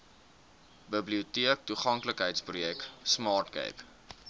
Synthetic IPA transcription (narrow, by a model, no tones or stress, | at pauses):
bəbliutiək̚tuχɐŋkləkɦəjtsprujɛksmɑːrtɡɛ̰jp